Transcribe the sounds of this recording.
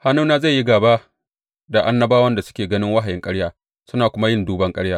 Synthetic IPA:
ha˦nuː˦naː˦za˦˨jːi˦ɡaː˨baː˦ | da˨ʔa˦nːɐ˦baː˦wɐ˦nda˨sʊ̥˦kʲeː˨ɡɐ˦nɪ˦ŋwɐ˦ɦa˨jɪ˦ŋkʼɐ˦ɽjaː˦ | sʊ˦naː˨kʷʊ˦ma˦jɪ˦nduː˦bɐ˦ŋkʼɐ˦ɽjaː˦

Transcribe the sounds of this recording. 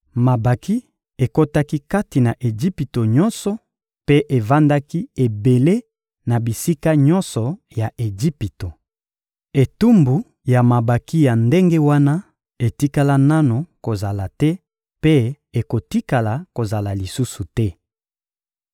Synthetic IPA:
ma˨ba˨ki˦ | e˨ko˦ta˦ki˦ka˦ti˨na˨ʔe˨d͡ʒi˦pi˨to˨ɲɔ˦nsɔ˨ | pe˦ʔe˨va˦nda˦ki˦e˨be˨le˦ | na˨bi˨si˦ka˦ɲɔ˦nsɔ˨ | ja˨ʔe˨ɡi˦pi˨to˨ | e˨tu˦mbu˨ | ja˨ma˨ba˨ki˦ja˨nde˦ŋɡe˦wa˦na˦ | e˨ti˦ka˦la˦na˦no˨ko˨za˨la˨tɛ˦ | pe˦ | e˨ko˨ti˦ka˨la˨ko˨za˨la˨li˨su˦su˨tɛ˦

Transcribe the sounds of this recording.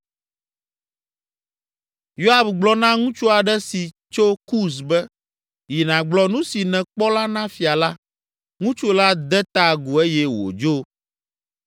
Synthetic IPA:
jo˦a˦˨bɡ͡blɔ˦nã˦ŋũ˦t͡ʃu˦a˨ɖɛ˦si˨ | t͡ʃo˦ku˦s̬bɛ˦ | ji˨nã˨ɡ͡blɔ˦nũ˦si˨nɛ̃˨k͡pɔ˦la˦nã˦fi˨a˨la˦ | ŋũ˦t͡ʃu˦la˦d̪ɛ˦t̪a˦˨ɡu˨e˦jɛ˦wo̰˨d͡ʒo˦

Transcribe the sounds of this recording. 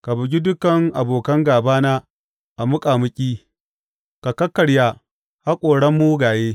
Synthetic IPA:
ka˨bʊ˨ɡʲi˦dʊ˦kɐ˨ŋʔa˨boː˨kɐ˦ŋɡaː˨baː˦naː˦ | ʔa˨mʊ˦kʼaː˨mʊ˦kʲʼiː˦ | ka˨kɐ˦kːɐ˨ɽjaː˦ | ha˦kʷʼoː˨ɽɐ˦mːu˦ɡaː˨jeː˦

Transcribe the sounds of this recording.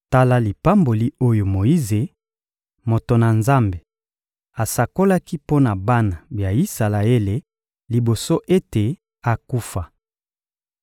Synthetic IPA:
ta˦la˦li˨pa˦mbo˨li˦o˦jo˨mo˨ji˦ze˨ | mo˨to˨na˨nza˦mbe˨ | a˨sa˨ko˦la˦ki˦po˦na˨ba˦na˨bja˨i˦sa˨la˨e˦le˨ | li˨bo˨so˦ʔe˦te˨ | a˨ku˦fa˨

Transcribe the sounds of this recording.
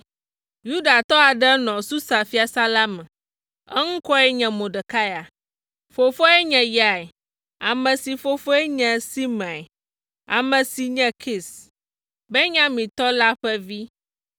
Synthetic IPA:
ju˦ɖa˨t̪ɔ˦a˨ɖɛ˦nɔ̃˨su˦sa˨fi˦a˨sa˦la˦mɛ̃˨ | ɛ̰˦ŋ̩̃˦kɔ˦ɛ˦ɲɛ̃˨mõ˨ɖɛ˨ka˦ja˨ | fo˨fɔ˦ɛ˦ɲɛ̃˨ja˨ɛ˨ | a˨mɛ̃˨si˨fo˨fo˦ɛ˦ɲɛ̃˨si˦mã˨ | a̰˨mɛ̃˨si˨ɲɛ̃˨kʰi˨s | bɛ˦ɲã˦mĩ˨t̪ɔ˦la˦ɸɛ˦vi˦

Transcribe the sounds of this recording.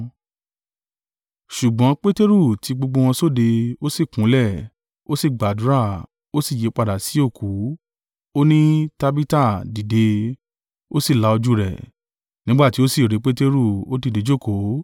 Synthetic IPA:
ʃu˨ɡ͡bɔ̃˨˦k͡pe˦te˦ɾu˦˨tʰi˨˧˦ɡ͡bo˧ɡ͡bo˧w̃ɔ̃˧so˦˨de˧o˦si˦˨kũ˨˦lɛ˦˨ | o˦si˦˨ɡ͡ba˨du˨˦ɾa˦˨ | o˦si˦˨je˨˦k͡pa˧˨da˨si˨˦o˦˨kʰu˨˦ | o˦nĩ˦ta˧bi˦ta˦˨di˨de˧ | o˦si˦˨la˧˦o˧d͡ʒu˦ɾɛ̰˦˨ | nĩ˦ɡ͡ba˦˨ti˨˦o˦si˦˨ɾe˨˦k͡pe˦te˦ɾu˦˨o˦ti˧˨de˨˦d͡ʒo˦˨ko˨˦

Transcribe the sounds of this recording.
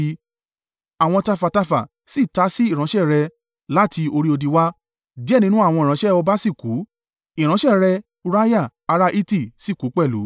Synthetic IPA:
a˨w̃ɔ̃˧ta˧fa˨ta˧fa˨ | si˦˨ta˨˦si˦i˦˨ɾ̃ã˨˦ʃɛ˦˨ɾɛ˧ | la˦tʰi˧o˧ɾi˦o˧di˧wa˦ | di˦ɛ˦˨nĩ˧˦nũ˦a˦˨w̃ɔ̃˧˨ɾ̃ã˨˦ʃɛ˦ɔ˧ba˦si˦˨ku˨˦ | i˨ɾ̃ã˨˦ʃɛ˦˨ɾɛ˧ | u˧ɾa˦ja˦˨ | a˧ɾa˦ʔi˦ti˦˨si˦˨ku˨˦k͡pɛ˦˨lṵ˨˦

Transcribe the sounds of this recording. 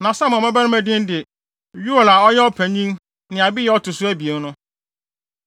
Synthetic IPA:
nã˨sa˦mã˨mã˦bæ˦ɾmæ̃˨dɪ̃˦n˦dɪ˨ | ɥu˦o˨la˨ɔ˦jɛ˦ɔ˦pʰæ̃˨ɲĩ˦n | nɪ̃˨a˨bi˦jɛ˦ɔ˦tʰʊ˨sʊ˦æ˦bi˨e˨˦nʊ̃˦

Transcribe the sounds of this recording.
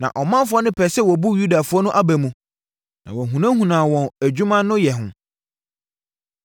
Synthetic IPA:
nã̰˨ʔɔ˨mã˦fʊ˨˦ɔ˦nɪ̃˦pʰɛ˨sɛ˦wɔ˨bu˦ju˦da˨fʊ˦ɔ˦nʊ̃˦ʔa˦bæ˨mũ˨ | nã˨wɔ̃˨ɦũ˨nã˦hũ˨nãː˨wɔ̃˨næ˨d͡ʑᶣu˦mã˦nʊ̃˦jɛ˨ɦʊ̃˦

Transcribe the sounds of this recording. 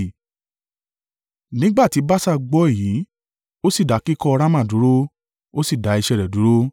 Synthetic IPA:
nĩ˨˦ɡ͡ba˦˨ti˨˦ba˦sa˦ɡ͡bɔ˦e˦˨jiː˨˦ | o˦si˦˨da˨˦ki˦kɔ˧ɔ˧ɾa˦mã˦˨du˨˦ɾo˦ | o˦si˦˨da˨˦i˧ʃɛ˧˨ɾɛ˨du˨˦ɾo˦

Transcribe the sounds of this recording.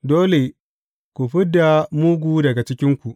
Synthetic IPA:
doː˦le˨ | kʷu˨ɸɪ˦dːa˨mu˦ɡʷuː˦dɐ˨ɡa˨t͡ʃɪ˦kʲɪ˦ŋkʷu˨ʔ

